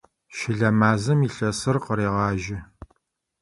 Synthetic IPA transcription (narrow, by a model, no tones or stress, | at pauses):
ʃɪɮɐmaːzɨmiɬɐsɨrqəɾeːʁɑːʒɪ